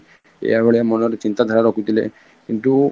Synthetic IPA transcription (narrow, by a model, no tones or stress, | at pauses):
ḛjabɔɭiamɔnɔɾet͡ʃint̪ad̪ʱaɾaɾɔkʰut̪ilḛ | kint̪u